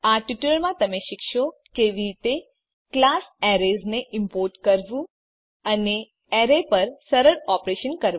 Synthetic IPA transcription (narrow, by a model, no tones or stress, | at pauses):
aʈiʈəɭmãt̪əmeʃɪkʃokeʋit̪e | klasɛɾezneʔɪmpoɾʈkəɾʋũ | əne | ɛɾepəɾsəɾəɾɔpɾeʃənkəɾʋ